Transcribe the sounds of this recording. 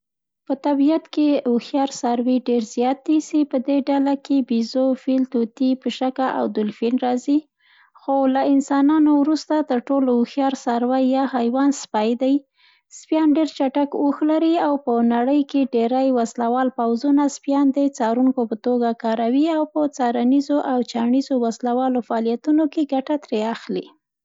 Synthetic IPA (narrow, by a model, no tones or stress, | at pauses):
pət̪abijat̪keuxjɑɾsaɾweɖeɾzjɑt̪̚d̪isipəd̪eɖalakebizofilt̪ot̪ipəʃakaʔa̰wd̪ʊlfinɾɑzi | xolaɪnsɑnɑnowɾust̪at̪əɾʈolouxjɑɾsaɾwajːɑhajwɑnspajd̪aj | spjɑnɖeɾt͡ʃaʈakoxlaɾiawpənaɽəjkeɖeɾajwaslawɑlpawzunaspjɑnd̪ət͡sɑɾuŋkopət̪oɡakɑɾawiawpət͡sɑɾanizoʔawt͡ʃɑɳizowaslawɑlofaːlijat̪unokeɡaʈat̪ɾeaxli